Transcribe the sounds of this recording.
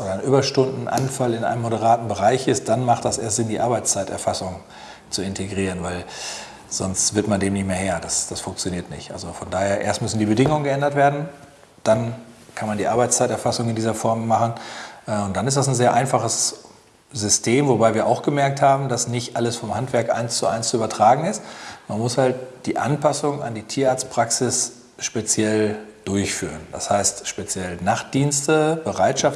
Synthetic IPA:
ʔoːdɐnʔyːbɐʃtʊndn̩ʔa̰nfalɪnʔa̰ɪnəmːoɾəʁ̞aːtn̩bəʁaɪçɪst̚d̥anmaχt̚d̥asʔeːɐstz̥ɪndiːʔaɐbaɪt͡st͡saɪtɛ̰ɐfasʊŋ | t͡suɪntʰeɡʁiːʁ̞ənvaɪl | z̥ɔnstv̥ɪɐtmandeːmnɪçtmeːɐheːɐd̥asd̥asfʊŋkt͡sjoniːɐtnɪ̰çtʔa̰lzofɔndaːheːɐʔḛːɐstmʏsn̩diːbədɪŋʊŋənɡəʔɛndɐtv̥eːɐdn̩ | d̥ankʰanmandiːʔaɐbaɪt͡st͡saɪtɛɐfasʊŋɪndiːzɐfɔɐmːaχn̩ʔʊnt̚d̥anɪstd̥as̬n̩zeːɐʔaɪnfaχəs | zʏstʰeːmvobaɪviːɐʔaʊxɡ̥əmɛɐk̚thaːbm̩dasnɪçtʔaləsfɔmhantv̥ɛɐkʔa̰ɪnst͡suʔa̰ɪnst͡suyːbɐtʁ̥aːɡŋ̩ɪstmanmʊshalt̚d̥iːʔa̰npasʊŋa̰ndiːtʰiːɐʔaːɐt͡stpʁ̥aksɪs | ʃpet͡sjɛld̥ʊɐçfy̰ːʁənd̥a̰shaɪstʃpet͡sjɛlnaχtd̥iːnstəb̥əʁaɪtʃaf

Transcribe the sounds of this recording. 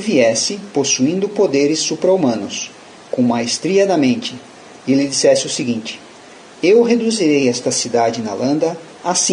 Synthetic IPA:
viɛsɪposuĩnd̪ʊpod̪eɾɪsːupɾɐumɐ̃nʊs | kõw̃majst̪ɾiɐd̪ɐmẽnt͡ʃɪ | ɪlɪd͡ʒisɛsɪʊsɪɡĩnt͡ʃɪ̥ | ewɦed̪uziɾejɛst̪ɐsid̪ad͡ʒɪnɐ̰lɐ̃nd̪ɐ | asĩ

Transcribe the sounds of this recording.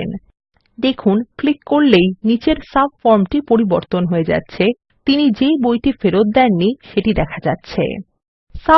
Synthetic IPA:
ḛn | d̪ekʰunklikːoɾlejnit͡ɕeɾsabfɔɾmʈipoɾiboɾt̪onɦoed͡ʑa̰tːɕʰe | t̪inid͡ʑejbojʈifeɾot̪̚d̪ɛnːiʃeʈid̪ɛkʰad͡ʑa̰tːɕʰḛ | sa

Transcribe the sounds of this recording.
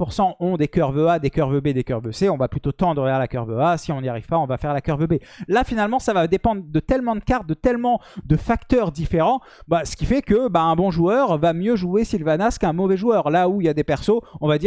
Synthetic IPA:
puʁsɑ̃ɔ̃d̪ekʲœʁvøad̪ekʲœʁvøbed̪ekœʁvøseɔ̃vaplyt̪ot̪ɑ̃d̪ʁəfɛʁlakœʁvøasiɔ̃nijaʁiv̥paɔ̃vafɛʁlakœʁvøbe | lafinalmɑ̃savad̪epɑ̃d̪ʁd̪ət̪ɛlmɑ̃d̪əkaʁt̪̚d̪ət̪ɛlmɑ̃d̪əfakt̪œʁd̪ifeʁɑ̃ | basə̥kʲifɛkəbaɛ̃bɔ̃ʒuœʁvamjøʒuesilvanaskɛ̃mɔvɛʒuœʁlauiljad̪epɛʁsoɔ̃vad̪i

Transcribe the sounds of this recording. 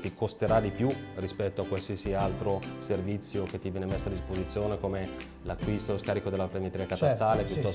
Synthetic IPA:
t̪ikost̪eɾad̪ipjurispɛt̪ːoakːwalsiesialt̪ɾoservit̪sːjoket̪ːivjɛːnemesːoad̪ispozit̪sːjoːnekome | lakːwist̪oloskaːɾikod̪elaplemet̪ɾiːakat̪ast̪aːlepjut̪ːɔ

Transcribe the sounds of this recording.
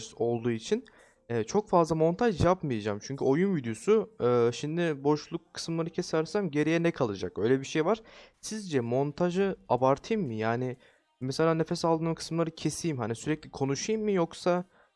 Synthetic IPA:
o̞lˠd̪uːit͡ʃʰin | ɛːt͡ʃʰo̞kfazlˠamo̞nt̪ʰaʒjapmajad͡ʒa̰ːmt͡ʃʰyɲcyo̞junvid̪jo̞suːʃimd̪ɪbo̞ʃlˠukʰːɯ̥sɯmlˠaɾɯcʰe̞sæɾsæmɟe̞ɾejɛnɛkʰalˠad͡ʒa̰kø̞jlʲɛbiʃe̞jvaɾ̥sizd͡ʒɛmo̞nt̪ʰaʒɯabaɾt̪ʰɯjmːɯjaːnɪ | mɛselʲaːne̞fɛsalˠd̪ɯnkʰɯ̥sɯmlˠaɾɯcʰe̞sijimɦanisyɾɛclʲikʰo̞nuʃɯjmːɯjo̞ksa

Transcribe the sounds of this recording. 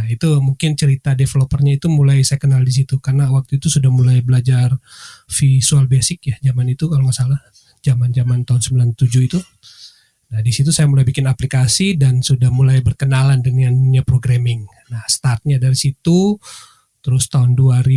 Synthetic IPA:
ait̪umuŋkɪnt͡ʃəɾit̪adefelopərɲait̪umulajsajakənaldis̬it̪ukarnawak̚t̪uit̪usudahmulajbəlad͡ʒarfisualbesɪkjahd͡ʒamanit̪ukalomasalah | d͡ʒamand͡ʒamant̪aɦʊnsəmbilant̪ud͡ʒʊit̪u | nahdisit̪̬usajamulajbikɪnaplikasidansudahmulajbərkənalandəŋanɲapɾoɡɾamɪŋ | nahst̪art̪̚ɲadaɾisit̪u | t̪əɾʊst̪aʊnduaɾi

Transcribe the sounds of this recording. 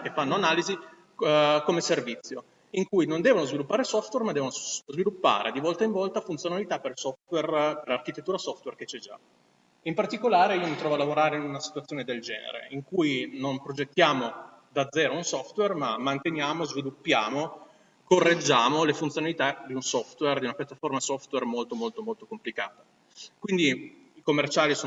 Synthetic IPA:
kefːanːoanaːlizi | komeservit̪sːjo | iŋkujnond̪ɛːvonozvilupːaːɾesɔft̪wermad̪ɛːvonozvilupːa̰ːɾʔed̪ivɔlt̪aiɱvɔlt̪afunt̪sjonalit̪aperlsɔft̪werperarkit̪et̪ːuːɾasɔft̪werket͡ʃːɛd͡ʒa̰ | impart̪ikolaːɾeiomit̪ɾɔːvoalavoɾaːɾeinunasit̪wat̪sːjoːned̪eld͡ʒɛ̰ːnḛɾḛiŋkujnompɾod͡ʒet̪ːjaːmo | d̪ad̪zːɛːɾounsɔft̪wermamːant̪enjaːmozvilupːjaːmo | korːed͡ʒːaːmolefunt̪sjonalit̪ad̪iunsɔft̪werd̪iunapjat̪ːaformasɔft̪wermolt̪omolt̪omolt̪okomplikaːt̪ḁ | kwind̪i | ikomːert͡ʃaːlisoː

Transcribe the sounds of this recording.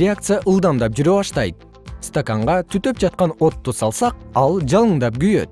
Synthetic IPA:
ɪakt̪sɨjaʔɯlˠd̪ɑmd̪ɑp̚d͡ʒyɾøβɑʃt̪ɑjt̪̚ | st̪okaɴʁɑt̪ʰyt̪ø̞p̚d͡ʒɑt̪̚qɑno̞t̪ːusɑlˠsɑqɑlˠd͡ʒɑlˠɯɴd̪ɑp̚ɡyjø̞̰t̪̚

